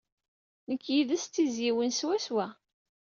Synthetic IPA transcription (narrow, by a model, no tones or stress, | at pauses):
nəkːjiðæst̪ːizjiwənswæswæ